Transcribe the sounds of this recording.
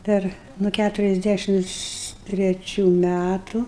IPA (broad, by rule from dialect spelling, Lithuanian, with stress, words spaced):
ˈpʲɛr nʊ ˈkʲætʊrʲɛzʲˌdʲæʃʲɪms tʲrʲɛˈt͡ʃʲuː ˈmʲætʊ